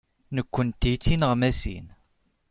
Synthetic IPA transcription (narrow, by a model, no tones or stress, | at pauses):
nəkʷːənt̪jit͡sːinəʁmæsḭn